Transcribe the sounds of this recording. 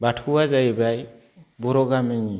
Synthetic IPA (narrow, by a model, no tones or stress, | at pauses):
batʰuwazajbaj | bɔɾɔɡamiɲi